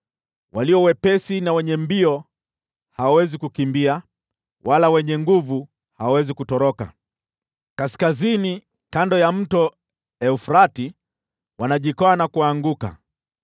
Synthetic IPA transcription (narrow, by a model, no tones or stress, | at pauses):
wʔaliɔwɛpɛsinawɛɲɛmbiɔ | hawawɛzikukimbia | walawɛɲɛŋɡuvu | hawawɛzikutɔɾɔka̰ | kaskazini | kandɔjam̩tɔ | ɛufɾati | wanaʄikɔanakuaŋɡuka̰